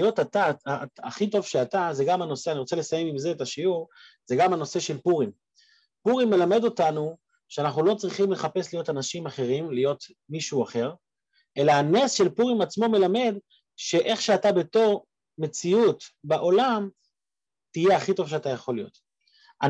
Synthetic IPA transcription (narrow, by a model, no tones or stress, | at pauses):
jo̞tataaχito̞v̥ʃeataze̞ɡamano̞se̞aniʁot͡se̞le̞sajemimze̞etaʃiuʁ | ze̞ɡamano̞se̞ʃe̞lpuʁim | puʁimːe̞lame̞d̪o̞tanu | ʃeanaχnulo̞t͡sʁiχimle̞χape̞slijo̞tanaʃimaχe̞ʁimlijo̞t | miʃuuaχe̞ʁ | ʔe̞laanesʃe̞lpuʁimat͡smo̞me̞lame̞d̪ | ʃe̞ʔe̞χʃeatabe̞to̞ʁ | me̞t͡siutbaʔo̞lam | tije̞aχito̞vʃeatajaχo̞lijo̞̰t | a